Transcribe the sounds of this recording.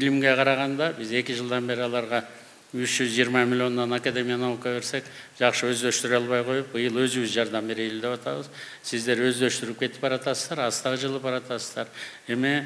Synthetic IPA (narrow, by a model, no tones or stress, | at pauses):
bɪlɪmɡʲe̞qʰɑɾɑʁɑnd̪ɑbɪze̞kʲɪʒəlˠd̪ɑnbe̞ɾɪɑlˠɑɾʁɑ | wʏʃʒ̥ʏzʒijəɾmɑmʲilʲjo̞nd̪ɑnakad̪e̞mʲijanokɑβe̞ɾse̞k | ʒ̥ɑqʃəwɵzd̪est̪ɪɾɑlˠβɑjqʰo̞jəp̚bəjəlˠwɵzɪβɪzʒɑɾd̪ɑmbe̞ɾejld̪e̞pɑt̪ɑβəz | sɪzd̪e̞ɾwɵzd̪est̪ɪɾɪp̚kʲʰe̞t̪ɪ̥pbɑɾɑt̪ɑsəzd̪ɑɾɑst̪ɑʁəʒəlˠəpbɑɾɑt̪ɑsəzd̪ɑɾ | eme